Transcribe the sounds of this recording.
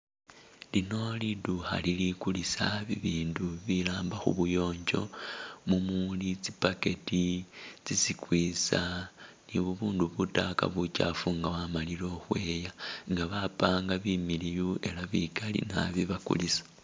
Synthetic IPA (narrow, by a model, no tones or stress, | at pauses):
lino̞liduxa̰lilikulisaβiβiːnduβilaːmbaxṵβujo̞ːɲd͡ʒo̞mumulit͡sipake̞tit͡sisikwiːsa | niβuβuːnduβutaka̰βucafuŋɡaβamalilo̞xwe̞ːjaŋɡaβapaːŋɡaβimilijue̞laβikalḭna̰βiβakṵlisḁ